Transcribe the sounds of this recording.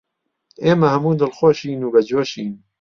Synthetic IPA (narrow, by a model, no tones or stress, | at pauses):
eːmɐhɐmuːd̪əlxoʃiːnuːbɐd͡ʒoːʃiːn